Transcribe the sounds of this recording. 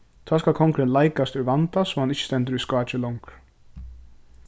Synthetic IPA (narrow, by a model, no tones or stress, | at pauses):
t̪ʰɔːskalkʰɔŋkɾɪnlajkast̪ʏvant̪asɔmhanɪçːɪ̥st̪ɛnt̪̬əɾiskaːt͡ʃɪlɔŋk